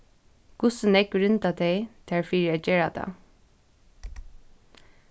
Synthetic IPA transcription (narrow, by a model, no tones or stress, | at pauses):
ɡ̥ʊsənɛkɹʏnt̪at̪ʰɛɪt̪ʰæːɹfiːɹɛd͡ʒɛːɹat̪a̰